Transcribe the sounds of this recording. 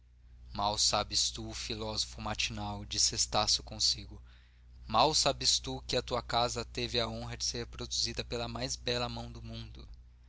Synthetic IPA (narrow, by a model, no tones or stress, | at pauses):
mawsabɪst̪ufilɔzofʊmat͡ʃinawd͡ʒisɪest̪asʊ̥kõsiɡʊ | mawsabɪst̪ukɪɐt̪uɐkazɐt̪evɪɐõɦɐd͡ʒɪseɾhpɾod̪uzid̪ɐpelɐmajzbɛlɐmɐ̃w̃d̪ʊmũnd̪ʊ